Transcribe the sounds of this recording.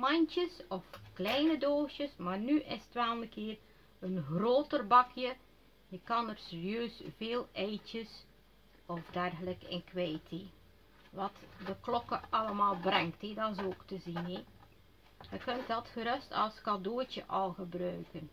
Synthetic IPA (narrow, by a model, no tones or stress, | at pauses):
mɑɲtəsɔfklɛjnədoːʃjəsmaːrnyʔɪsətʋɛlˠnəkɪːr | ənɣroːtərbɑkʰjə | jəkɑnərsərijøːsveːlˠɛjtəs | ɔfdɛrɣələkɪ̰nkʋɛjtʰe | ʋɑtdəklɔkəɑləmaːlˠbrɛŋkthedɑs̬oːktəzine | jəkɵnt̚dɑtxəɾɵstɑ̰lˠskɑdoːtəʔɑlˠɣəbrœɥkən